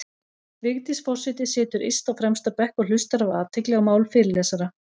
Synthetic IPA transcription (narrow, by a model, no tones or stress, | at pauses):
vɪɣt̪isfɔrsɪt̪ɪsɪːt̪ʏɾḭjst̪awfɾɛmst̪apɛhkɔɣl̥ʏst̪aɾavaːt̪ʰɪklɛɣamaːwlfɪɾɪlɛːsaɾa